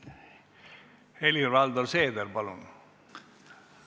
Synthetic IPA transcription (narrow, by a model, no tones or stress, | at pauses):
elirɑld̪orseːd̪erbɑlṵn